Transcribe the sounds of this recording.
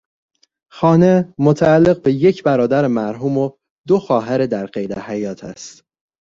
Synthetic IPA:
xɒːne̞mot̪ʰæælːe̞ɣbe̞je̞cʰbæɾɒːd̪æɾemæɾɦuːmo | d̪oxɒːɦæɾed̪æɾɢejd̪æhæjɒːt̪ʰæ̰st̪

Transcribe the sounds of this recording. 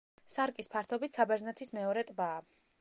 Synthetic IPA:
saɾkʼispʰaɾt̪ʰɔbit̪ʰsabɛɾznɛt̪ʰismɛɔɾɛt̪ʼbaː

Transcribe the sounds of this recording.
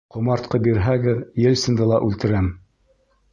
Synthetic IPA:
qŏmɑɾt̪qɤbiɾɦæɡɘðjɘ̆lsɘ̆nd̪ɤlˠɑʔʉlt̪ɘ̆ɾæm

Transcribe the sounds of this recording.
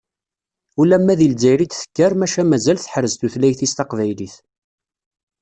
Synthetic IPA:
ulæmːæðilzæjɾid̪θə̥kːæɾmæʃæmæzælθə̥ħɾəzt̪uθlæjθist̪ɑqvæjliθ

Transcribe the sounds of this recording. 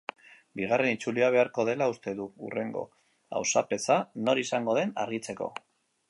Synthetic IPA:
biɣ̞are̞nit͡suliaβ̞e̞aɾko̞ð̞e̞laust̪e̞ðuṵre̞ŋɡo̞̰ | a̰wsape̞sano̞ɾisaŋɡo̞ð̞e̞naɾɣit͡se̞ko̞̰

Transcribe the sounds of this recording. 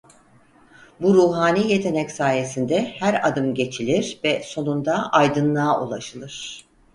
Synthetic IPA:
buɾuːɦaːniːje̞t̪ʰe̞nɛcsaːje̞sind̪ɛhæɾa̰d̪ɯmɟe̞t͡ʃʰilʲiɾvɛso̞nund̪aʔajd̪ɯnlˠaːʔṵlˠaʃɯlˠɯɾ̥

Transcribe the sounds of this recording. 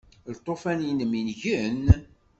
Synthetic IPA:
lt̪ˤːofænjinəminʝən

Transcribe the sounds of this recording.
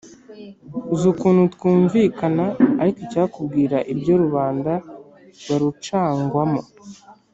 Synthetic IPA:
uzukuːnhutwuːɱviːkanaːɾikocaːkub̚ɡiːɾaʔibɟo̞ɾuβaːnda | ɾwaɾut͡ʃaːŋɡwamo

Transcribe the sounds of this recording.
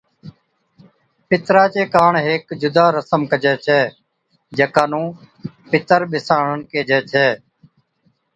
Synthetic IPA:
pɪt̪ɾaːt͡ʃeːkaːɳɦeːkd͡ʒʊd̪aːɾəsəmkəd͡ʒɛːt͡ʃʰɛː | d͡ʒəkãːnũː | pɪt̪əɾɓɪsaːɳənkeːd͡ʒɛːt͡ʃʰɛː

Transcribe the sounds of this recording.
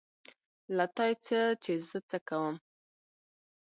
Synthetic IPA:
lat̪ɑjt͡sət͡ʃezət͡səkawəm

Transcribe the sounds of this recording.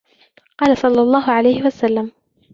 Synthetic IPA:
qɑːlasˤɑlːɑlˤːɑːɦʊʕalajhɪwasalːam

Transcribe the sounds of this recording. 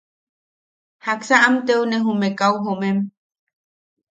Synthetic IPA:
haksaʔamt̪euneɦumekawɦomem

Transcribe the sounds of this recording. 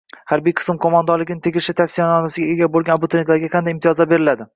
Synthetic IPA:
haɾbijqʰɨ̥smkʰomand̪ɒɾlːɪɡʲɪnɪt̪ʰeɡʲɪʃɪt̪ʰafsijnɒnasɪɡʲaeɡʲabolˠɡʲanabʊt̪ʰɪɾet̪laɾɡʲaqʰɑnd̪ajimt̪ʰijɒzlabe̞ɾɪlad̪ɪ

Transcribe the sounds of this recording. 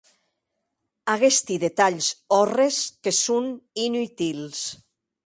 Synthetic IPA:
aɣest̪iðet̪aʎsɔreskesuninyt̪ils

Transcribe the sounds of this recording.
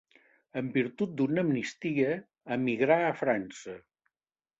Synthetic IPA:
əmbiɾt̪ut̪̚d̪unəmnist̪iəː | miɣɾaəfɾansə

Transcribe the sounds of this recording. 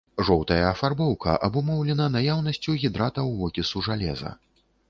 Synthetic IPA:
ʐɔwt̪ɐjɐːfarbɔwkɐ̰ʔɐbumɔwlʲɛnɐnajawn̪ɐsʲt͡sʲuɣʲid̪ɾat̪ɐwːɔkʲisuʐalʲɛzɐ̰

